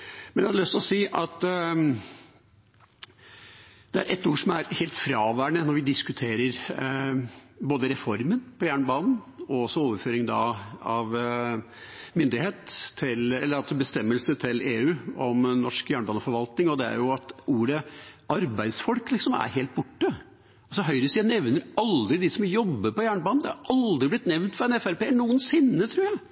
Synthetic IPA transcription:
mɛnjæhɑd̪lœst̪ɪlɔsiːʔɑt̪ | d̪̥ɛæɾʔɛt̪ːuːʂɔmæɾheːlt̪fɾɑːʋæːɳənɔɾʋɪd̪ɪskʉt̪ʰeːɾəɾ | boːd̪əɾɛfɔɾmənpʰɔjæːɳbɑːnn̩ɔɔsɔoːʋəɾføːɾɪŋd̪ɑɑʋ | mʏnd̪ɪheːt̪ʰːɪlɛlːəɾɑlsɔbəst̪ɛmːəlsət̪ʰɪleːʉːɔmnɔʂkjæːɳbɑːnəfɔɾʋɑlt̪nɪŋɔd̪ɛæ̰ɾjʊɑt̪uːɾəʔɑɾbæɪd̪sfɔlklɪksɔmæ̰ɾheːlt̪̚bʊʈːə | ɔsɔɦœʏɾəsiːænɛʋnəɾɑld̪ɾɪd̪ɪsɔmjɔbːəɾpɔjæːɳbɑːnn̩d̪ɛhɑɾʔɑld̪ɾɪblɪt̪nɛʋnt̪fɾɑɛnɛfæɾpeːnuːənsɪnːət̪ʰɾuːɾjæɪ

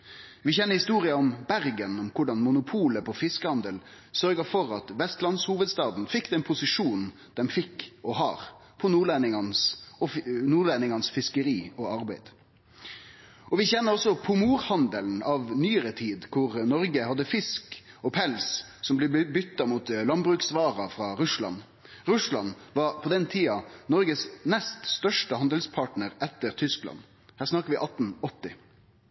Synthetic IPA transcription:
ʋɪçɛnːəɾhɪst̪uːɾɪɑɔmbæɾɡənɔmkʰʊɖɑnmʊnʊpʰuːləpʰɔfɪskəhɑnd̪əl | sœɾɡəɾfɔɾɑt̪ʋɛst̪lɑnshuːʋəd̪st̪ɑːd̪n̩fɪkːd̪ɛɪnpʰʊsɪʂuːn | d̪̥ɛmfɪkːɔɦɑːɾpʰɔnuːɖlænɪŋɑnsɔnuːɖlænɪŋɑnsfɪskəɾiːɔɑɾbæɪd̪ | ɔʋɪçɛnːəɾɔsːɔpʰʊmuːɾhɑnd̪əln̩ɑʋnyːəɾət̪ʰiːd̪kʰʊʁnɔɾɡəhɑd̪ːəfɪsk | ɔpʰɛlssɔmblɛbʏt̪ːɑmuːt̪lɑnbɾʉːksʋɑːɾɑfɾɑɾʉslɑ̰n | ɾʉslɑnʋɑːɾpʰɔd̪ɛnt̪ʰiːɑnɔɾɡəsnɛst̪st̪œʂʈəhɑnd̪əlspʰɑʈnəɾɛt̪ːəɾt̪ʰʏsklɑ̰n | hæːʁsnɑkəɾʋɪʔɑt̪ːn̩ɔt̪ːɪ

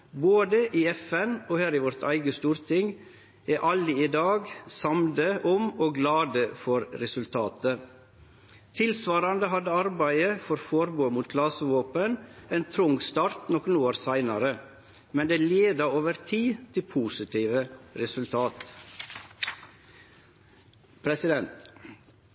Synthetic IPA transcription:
boːd̪əʔiːɛfɛnoːhæːɾiːʋɔɾt̪ʰæ̰ɪɡəst̪uːɾt̪ʰɪŋ | eːʔɑlɪɪd̪ɑːɡsɑmd̪əʔɔmoːɡlɑːd̪əfɔɾɾɛsʉlt̪ʰɑːt̪ʰə | t̪ʰɪlsʋɑːɾɑnd̪əɦɑd̪əɑɾbæɪəfɔɾfɔɾboːmuːt̪̚ɡlɑsəʋoːpəneːnt̪ʰɾʊŋst̪ɑːɾt̪nɔkənoːɾsæɪnɑɾə | mɛnd̪eːleːd̪ɑoːʋəɾt̪ʰiːt̪ʰɪlpʰuːsɪt̪ʰiːʋəɾɛsʉlt̪ʰɑːt̪ | pʰɾɛsɪd̪ɛnt̪

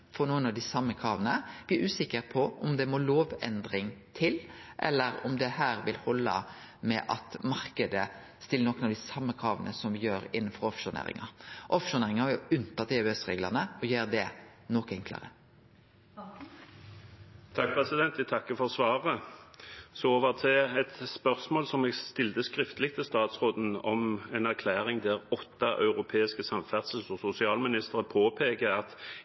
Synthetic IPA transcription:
fɔɾnuːənɑʋd̪ɪsɑmːəkʰɾɑːʋənəb̥̪ːʉːsɪkːəɾpʰɔʔʊmd̪ɛmɔloːʋɛ̰nd̪ɾɪŋt̪ʰɪlʔɛ̰lːəɾʊ̰md̪ɛhæːɾʋɪlhɔlːə̰ | mɛ̰ʔɑt̪mɑʁkəd̪ə | st̪ɪlːənɔkːnɑʋd̪ɪsɑmːəkʰɾɑːʋənʔəsɔmʋɪjøːɾɪnːən̩fɔɾɔfʃʊnḛːɾɪ̰ŋɑʔɔfʃʊneːʁɪŋhɑɾjʊʉnt̪ɑt̪ɪɛʉɛsʁeːɡlə̰ɑnəɔjøːɾd̪ɛ | nɔkɛŋkʰlə̰ʁə̰ | t̪ʰɑk̚pʰʁɛsɪd̪ɛnt̪æt̪ʰɑkːəfɔʁsʋɑːʁə | sɔoːʋəʁt̪ʰɪɛt̪spœʁsmoːlsɔmɛːɡst̪ɪlt̪əskʁɪft̪əlɪɡ̚t̪ʰɪlst̪ɑːt̪sʁoːd̪n̩ɔmɛnæʁkʰlæːʁɪŋd̪æʁɔt̪ːɑʔœ̰ʉʁʊpʰeːɪskəsɑmfæʁd̪səl̩sɔsʊsɪɑːlmɪnɪst̪əʁəpʰoːpʰeːkəɑt̪

